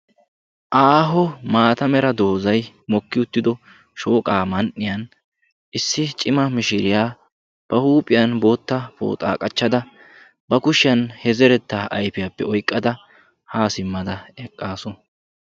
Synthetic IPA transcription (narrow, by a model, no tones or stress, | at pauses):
ʔaːɦɔmaːt̪ɐmɛɾɐd̪o̞ːzɐj | mɔkːɪʊt̪ːɪd̪ɔ | ʃo̞ːkʼaːmɐnʔːɪjɐn | ʔɪsːɪt͡ʃʼɪmɐmɪʃɪɾɪjaː | b̥ɐhuːpʼɪjɐnbo̞ːt̪ːɐpo̰ːt̪ʼa̰ːkʼɐt͡ʃːɐd̪ɐ | bɐkʊʃɪjɐnhɛzɛɾɛt̪ːaːʔɐjpɪjɐpːɛɔjkʼːɐd̪ɐ | haːsɪmːɐd̪ɐɛkʼːaːsɔn